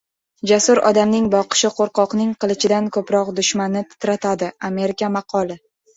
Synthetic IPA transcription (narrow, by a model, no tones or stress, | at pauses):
d͡ʒasʊɾɒ̰d̪amnɪŋbɒqɨ̥ʃɪqʰoɾqɒqnɪŋqɨlˠɪʃɪd̪ankʰɵpɾɒqd̪ʊʃmanɪt̪ʰɪ̥t̪ɾat̪ʰad̪ɪame̞ɾɪkʲamɑqʰɒlˠɪ